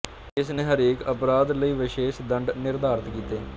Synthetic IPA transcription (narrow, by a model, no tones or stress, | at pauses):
ɪsnẽːɦəɾeːkəpɾaːd̪ləiːʋɪʃeːʃd̪əɳɖnɪɾd̪aːɾət̪kiːt̪eː